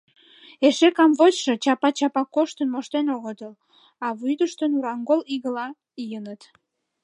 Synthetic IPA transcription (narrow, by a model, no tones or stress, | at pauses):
eʃekɑmβot͡ɕʃe̽t͡ɕɑpɑt͡ɕɑpɑkːoʃt̪ənmoʃt̪enoɣət̪əl | ɑβujd̪əʃt̪ənuɾɑŋɡoliɣəlɑ | ijənət̪